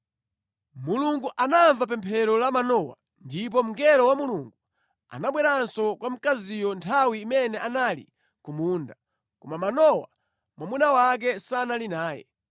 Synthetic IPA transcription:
muluŋɡuʔanaɱvapɛmpʰɛɾɔlamanɔwa̰ | ndip̬ɔm̩ŋɡɛɾɔwamuluŋɡu | a̰naɓwɛɾansɔkwam̩kazijɔntʰawiːmɛnɛʔanalḭ | kumuːnda | kɔmamanɔwa | mwamunawak̬ɛsanalinaːjɛ̰

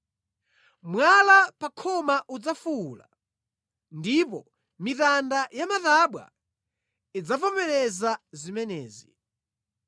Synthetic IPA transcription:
mwalapakʰɔmaʔud͡zafula̰ | ndipɔ | mitandajamataɓwa̰ | id͡zapɔmɛɾɛzazimɛnɛ̰ːzi

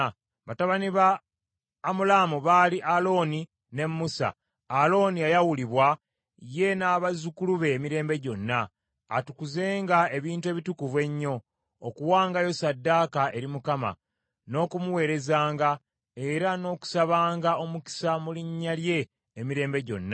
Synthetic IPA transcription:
βataβaniβaː | mulamuβaːliʔalo̞ːni | ne̞mːusa̰ː | lo̞niajawuliβwa | je̞naːβazukuluβe̞ːmiɾe̞ːmbe̞ɟo̞nːa̰ː | tukuze̞ːŋɡae̞βiːntue̞βitukuvwe̞ɲːo̞ː | kuwaːŋɡajo̞sadːaːkaʔe̞ɾimukama̰ | no̞ːkumuwe̞ːɾe̞zaːŋɡa | e̞ɾano̞ːku̥saβaːŋɡao̞muki̥samuliɲːalje̞ː | miɾe̞ːmbe̞ɟo̞̰nːa

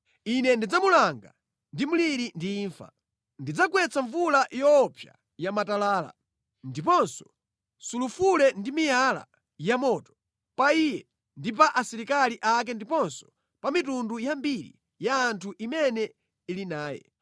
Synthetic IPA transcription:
inɛndid͡zamulaŋɡa̰ | ndimuliɾindiːɱfa̰ | ndid͡zakwɛt͡sʰaɱvulajɔpʰja̰ | jamatalaːla̰ | ndipɔnsɔ̥ | sulufulɛndimijala̰ | jamɔtɔ̥ | paiːjɛ | ndip̬aʔasiɾikaliʔak̬ɛndipɔnsɔ̥ | pamitundujambiɾḭ | jaːntʰuʔimɛnɛ | ilinaːjɛ̰

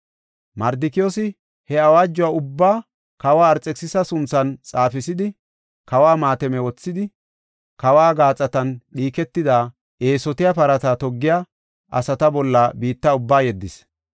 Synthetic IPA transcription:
mɐɾd̪ɪkɪjɔsɪ | hɛɐwaːd͡ʒːɔwaʊbːaː | kɐwaːɾt͡sʼːɛksɪsɐsʊnt͡sːɐnt͡sʼaːfɪsɪd̪ɪ | kɐwaːmaːt̪ɛmɛwɔt͡sːɪd̪ɪ | kɐwaːɡaːt͡sʼːɐt̪ɐnɗiːkɛt̪ːɪd̪aː | ʔe̞ːsɔt̪ɪjɐpɐɾɐt̪at̪ɔɡːɪja | ʔɐ̰sɐt̪ɐbɔlːɐbiːt̪ːɐʊbːaːjɛd̪ːɪs

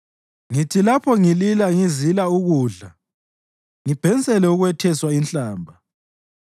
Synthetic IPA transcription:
ŋitʰilapʰɔŋililaŋizilauɣuːɮa | ŋib̥ʱɛnt͡sʼɛlɛuɣwɛtʰɛswainɬaːmbʱa

